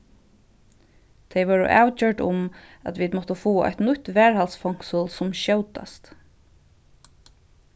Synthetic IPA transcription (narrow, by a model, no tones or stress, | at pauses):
t̪ʰɛɪʋɔːɹə̰ʔa̰ːwt͡ɕœɹɖʊ̰mæ̰t̪ʋiːd̪mɔt̪əfuːa̰ht̪nʊt̪ʋɛːɹhalsfɔŋ̥ksʊlsʊmɕœwt̪a̰st̪